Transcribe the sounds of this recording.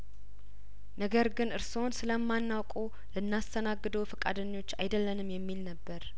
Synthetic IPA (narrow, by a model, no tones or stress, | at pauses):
nəɡəɾɡɨnɨɾso̞nsɨləmːanːawkʼu | lɨnːast̪ʰənaɡːɨd̪əwfɨkʼa̰d̪əɲːo̞t͡ʃːajd̪əlːənɨmjɛmːilnəbːəɾ